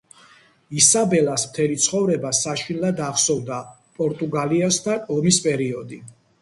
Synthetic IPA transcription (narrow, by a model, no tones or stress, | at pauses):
isabɛlasmt̪ʰɛlit̪sʰχɔvɾɛbasaʃinlad̪aχsɔvd̪a | pʼɔɾt̪ʼuɡaliɛst̪ʰaɔmispʼɛɾiɔd̪i